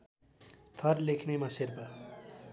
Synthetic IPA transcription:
t̪ʰʌrlekʰnemãserpʌ

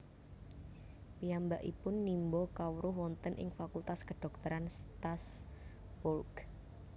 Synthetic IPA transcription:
piambaʔipʊnːimbɔkawuɾʊɦwɔnt̪ənʔɪ̰ŋfakult̪askəɖ̥ɔ̤k̚t̪əɾanst̪as | bɔlk

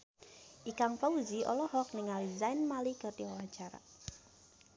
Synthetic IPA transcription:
ʔikaŋfauziɔ̰lɔhɔk̚niŋalizajnmalikɨrt̪iwawat͡ʃaɾa̰

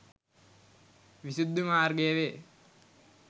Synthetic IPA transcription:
ʋisud̪ʱːumaːrɡejəʋe

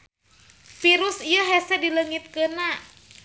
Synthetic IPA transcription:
fiɾusiəɦɛsɛdiləŋit̪̚kəna

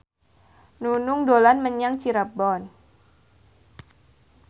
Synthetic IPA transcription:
nunuŋdolanməɲaŋt͡ʃiɾabɔn

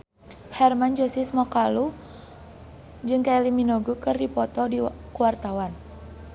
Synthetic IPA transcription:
hɛrmand͡ʒosismɔkalu | d͡ʒɨŋkaɛliminɔɡukɨrdipɔt̪ɔdikuwart̪awan

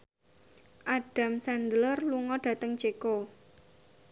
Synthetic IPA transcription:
ʔaɖ̥a̤msand̪ələrluŋɔɖ̥ä̤t̪əŋt͡ʃeko

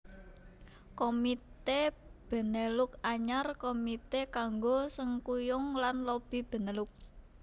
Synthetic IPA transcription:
komit̪eb̥ə̤nəlʊkaɲarkomit̪ekaŋɡosəŋkujʊŋlanlob̥i̤b̥ə̤nəlʊk̚

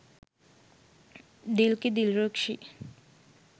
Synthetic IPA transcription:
d̪ilked̪ilɾokʃi

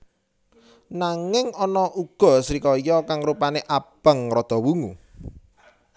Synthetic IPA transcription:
naŋɪŋɔnɔʔuɡ̥ɔ̤sɾikɔjɔkaŋɾupaneʔab̥ə̤ŋrɔd̪̥ɔ̤wuŋu

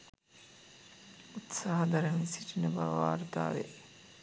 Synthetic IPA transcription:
ut̪saːɦɐd̪ɐɾəmisiʈinəba̰ʋʋa̰ːrt̪a̰ːʋḛ

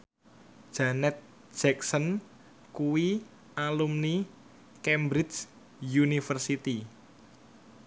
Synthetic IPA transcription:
d̥ʒ̥anɛt̪̚ | d͡ʒ̥ɛk̚sən | kuwi | alumni | kɛmbɾɪt͡ʃ | junifərsit̪i

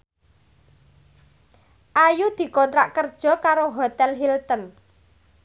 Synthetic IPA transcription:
ʔajud̪̥i̤kɔnt̪ɾaʔkərd̥ʒ̥ɔ̤kaɾoɦot̪ɛlɦilt̪ən

